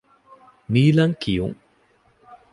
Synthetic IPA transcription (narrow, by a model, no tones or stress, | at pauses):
niːlɐŋkijṵŋ